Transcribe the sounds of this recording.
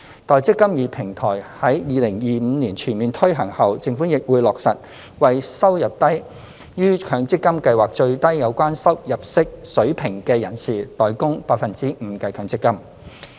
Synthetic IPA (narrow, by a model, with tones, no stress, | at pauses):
t̪ɔː˨jt͡sɪ˥kːɐ˥mjiː˨˩pʰɪ˨˩ŋt̪ʰɔː˨˩jhɐ˨˥jjiː˨˧lɪ˨˩ŋjiː˨m̩ː˨˧niː˨˩nt͡ʃʰyː˨˩nmiː˨nt̪ʰɵ˥ɥɦɐ˨˩ŋhɐ˨wt͡sɪ˧ŋfuː˨˥njɪ˨k̚wuː˨˧jlɔː˨k̚sɐ˨t̚ | wɐ˨jsɐ˥wjɐ˨˩p̚t̪ɐ˥j | jyː˥kʰœː˨˧ŋt͡sɪ˥kːɐ˥mkɐ˧jwaː˨k̚t͡ʃɵ˧ɥt̪ɐ˥jːɐ˨˧wkʷaː˥nsɐ˥wjɐ˨p̚sɪ˥k̚sɵ˨˥ɥpʰɪ˨˩ŋkɛː˧jɐ˨˩nsiː˨t̪ɔː˨jkʊ˥ŋpaː˧k̚fɐ˨nt͡siː˥m̩˨˧˦kɛ˧kʰœː˧ŋt͡sɪ˥kːɐ˥m